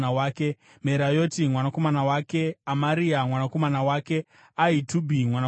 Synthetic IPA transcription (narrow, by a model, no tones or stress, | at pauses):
awaːke̞ | me̞ɾajo̞timwanako̞manawake̞amaɾiamwanako̞manawake̞ | aitubʱimwana